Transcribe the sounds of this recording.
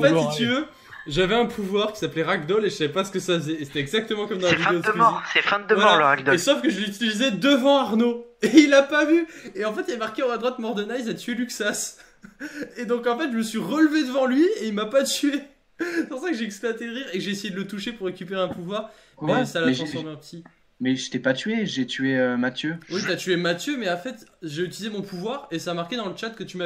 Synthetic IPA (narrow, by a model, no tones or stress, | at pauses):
ɑ̃fɛt̪sit̪yvø | ʒavɛɛ̃pʰuvwaʁkʲi̥saplɛʁaɡd̪ɔleʒəsavɛpasə̥kəsafəzɛːse̥t̪ɛɛɡzak̚t̪əmɑ̃kɔmd̪ɑ̃laɛvifɛ̃eod̪mɔʁsɛfɛ̃d̪əvwalalʁaɡ̚d̪ɔesofkəʒəlyt̪̬ilizɛd̪əvɑ̃aʁnoeilapavyeɑ̃fɛt̪ilɛmaʁkʲeɑ̃ad̪ʁwat̪mɔʁd̪ɔnaizlat̪yelyksas | ed̪ɔ̃kɑ̃fɛt̪ʒəməsɥiʁəlved̪əvɑ̃lɥieilmapat̪ye | spuʁsakəʒeɛksplwat̪ed̪əʁiʁekʒeesejed̪ələt̪uʃepuʁːekʲypeʁɛ̃puvwaʁ | esaːlaɛʃɑ̃sɔ̃mɛpət̪ʰi | mɛʒet̪ɛpat̪ɥeʒet̪yeømat̪jøwit̪at̪yemat̪jømɛɑ̃fɛt̪ʒeyt̪ilizemɔ̃pʰuvwaʁesaːmaʁkʲed̪ɑ̃lət͡ʃat̪̚kət̪yma